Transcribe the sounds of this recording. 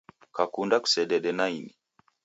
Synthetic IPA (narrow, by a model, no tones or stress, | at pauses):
kakundaku̥sɛɗɛɗɛnaini